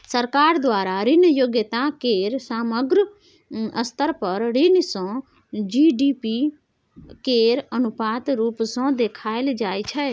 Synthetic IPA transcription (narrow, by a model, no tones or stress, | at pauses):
səɾkaːɾd̪waːɾaːɾɪnjoɡjət̪ãːkeːɾsaːməɡɾ | əst̪əɾpəɾɾɪnsõː | d͡ʒiːɖiːpiː | keːɾənʊpaːt̪ɾuːpsõːd̪eːkʰaːɪld͡ʒaːit͡ʃʰɛ